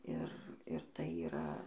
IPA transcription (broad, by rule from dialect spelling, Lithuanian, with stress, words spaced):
ˈɪr ɪr tɐɪ iːˈrɐ